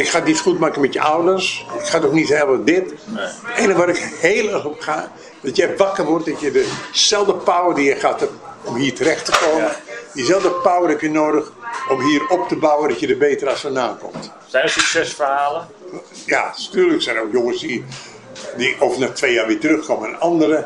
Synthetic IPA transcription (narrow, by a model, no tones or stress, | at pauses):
ɪkxaditxutmaːkəmɛtjəʔawdərsɪkxatɔxnithɛlˠʋədɪt | ɛnəʋaɾɪkheːlˠɛxɔpxaː | d̥ɔtjɛjʋakərʋɔrt̚dɔtjədəsɛlˠdəpawərdijəxatɔmhiːtəɾɛxtəkoːədizɛlˠdəpawərhɛpjənoːdəxɔmɦiərɔp̚təbawəndɔtjədəbeːtərasənaːnkɔ̰mt | sɛsyksɛsfərhaːlə | jantyːləksɛjnoːkjoŋəsdi | dioːvənatʋeːjaːʋɪətərøxkoməɛnɑndəɾə